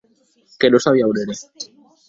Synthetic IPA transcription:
kenosaβiauneɾe

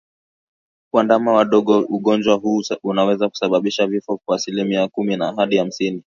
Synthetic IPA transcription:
kwandamawaɗɔɠɔuɠɔnd͡ʒwaɦuːunawɛzaku̥saɓaɓiʃavifɔkwaːsilimiakuminaɦaɗiham̩sini

